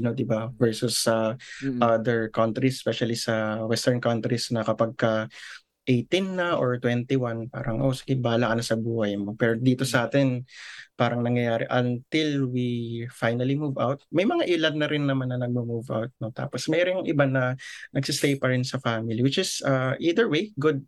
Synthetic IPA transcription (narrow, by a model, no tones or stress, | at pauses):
jnod̪ɪbavɛɹsʊsɐʔad̪ɛɹkɐnt̪ɾisɛspɛʃɐlisɐwɛst̪ɛɹnkɐnt̪ɾisnɐkɐpaɐɡ̚kɐ | ʔejt̪inːɐʔoɹt̪wɛnt̪ɪwanpa̰ːɾɐŋʔosɪɡɛbaːlɐkɐnɐsɐbuːhɐjmo̞pɛːɾod̪iːt̪o̞sɐʔaːt̪ɪnpaːɾɐŋnɐŋjɐjaːɾɪ̰ʔɐnt̪ɪlwifajnɐlimuːvawt̪̚mɐjmɐŋaʔɪlɐd̪̚nɐɾɪnːɐmanːɐnɐɡ̚mɐmuvʔa̰wt̪̚no̞t̪a̰ːposmɛɾoŋʔɪbanɐnɐɡsɪst̪ejpɐɾɪnsɐfamɪliwɪt͡ʃɪsɐʔid̪ɛɹwejɡʊd̪̚